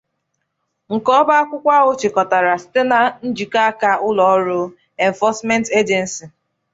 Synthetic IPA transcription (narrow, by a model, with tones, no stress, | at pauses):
ŋ̩˨kɔ˦ba˦a˦kʷʊ˦kʷa˦ɣʊ˦t͡ʃɪ˨kɔ˨ta˨ɾa˨sɪ̥˦te˦na˦n̩˦d͡ʒi˨ka˦a˦ka˦ʔʊ˦lɔ˨ɔ˦ɾʊ˦ | e˨n˨fɔ˦sme˦n˦te˦d͡ʒe˨n̩˨si˨